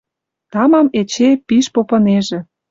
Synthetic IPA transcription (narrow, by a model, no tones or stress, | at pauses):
t̪ɑmɑmet͡ɕepiʃpopɤ̆neʒĕ